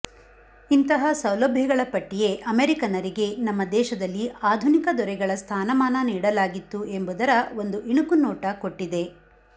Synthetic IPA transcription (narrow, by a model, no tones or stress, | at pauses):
int̪ɐɦɐsɐwlɐbʱjɐɡɐɭɐpɐʈːije̞ʔɐmeːɾikɐnɐɾiɡe̞nɐmːɐd̪ɛːʃɐd̪ɐlːiaːd̪ʱunikɐd̪ɔɾɛɡɐɭɐst̪ʰaːnɐmaːnɐniːɽɐlaːɡit̪ːue̞mbud̪ɐɾɐo̞nd̪uʔiɳukunɔːʈɐko̞ʈːid̪e̞